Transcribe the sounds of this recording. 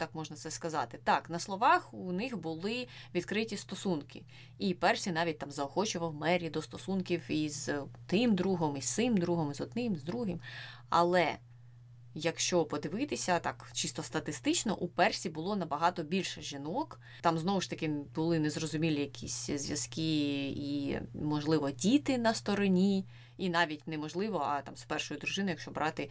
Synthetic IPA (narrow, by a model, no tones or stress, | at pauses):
t̪ɑkmɔʒnɐt̪sɛskɐzɑ̰t̪ɪt̪ɑknɐslˠɔʋɑxunɪxbʊlˠɪʋʲid̪kɾɪtʲist̪ɔsunkɪ | ipɛrsʲinɑʋʲit̚ʲt̪ɑmzɐɔxɔt͡ʃʊʋɐwmɛɾʲid̪ɔst̪ɔsunkʲiwizt̪ɪmd̪ɾuɦɔmist̪sɪmd̪ɾuɦɔmizɔd̪nɪmzd̪ɾuɦɪm | ɐ̰lˠɛ | jɐkʃt͡ʃɔpɔd̪ɪʋɪt̪ɪsʲɐt̪ɑkt͡ʃist̪ɔst̪ɐt̪ɪst̪ɪt͡ʃnɔ̰ʔupɛrsʲibʊlˠɔnɐbɐɦɑt̪ɔbʲilʲʃɛʒʲinɔk | t̪ɑmznɔʋʊʃt̪ɐkɪbʊlˠɪnɛzɾɔzʊmʲilʲijɐkʲʰisʲzʲʋʲjɐskiimɔʒlˠɪʋɔdʲit̪ɪnɐst̪ɔɾɔnʲi | inɑʋʲitʲnɛmɔʒlˠɪʋɔɐt̪ɑmspɛrʃɔjʊd̪ɾʊʒɪnʊjɐkʃt͡ʃɔbɾʔɑt̪ɪ